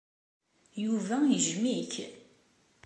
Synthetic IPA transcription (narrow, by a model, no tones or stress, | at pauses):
juvæjəʒmiç